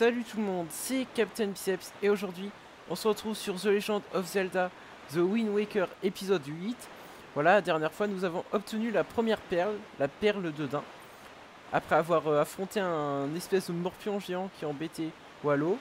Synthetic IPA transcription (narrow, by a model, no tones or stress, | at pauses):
salyt̪ulmɔ̃d̪sɛkʲapt̪ɛnbisɛpseoʒuʁd̪ɥi | ɔ̃səʁət̪χuvsyʁzəleʒɑ̃d̪ɔfzɛld̪a | zəwinwekʲœʁepizɔd̪ɥit̪ | vwalad̪ɛʁnjɛʁfwanuzavɔ̃ʔɔp̚t̪ənylapχəmjɛʁpɛʁlːapɛʁləd̪əd̪ɛ̃ | a̰pχɛavwaʁøafχɔ̃t̪eɛ̃nɛspɛsd̪əmɔʁpjɔ̃ʒeɑ̃kʲiɛɑ̃bet̪e | walo